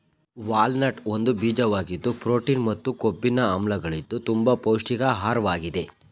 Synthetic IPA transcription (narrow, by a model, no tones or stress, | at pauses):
ʋaːlnɐʈond̪ubiːd͡ʒɐʋaːɡid̪ːupɾoːʈiːnmɐt̪ːukobːinɐɐmlɐɡɐɭid̪ːut̪umbɐpowʂʈiɡɐɦaːɾʋaːɡid̪e̞